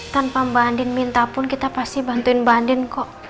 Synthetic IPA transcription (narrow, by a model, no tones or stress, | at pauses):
t̪anpambandɪnmint̪apʊnkit̪apast̪ihbant̪uɪnbandɪnkɔʔ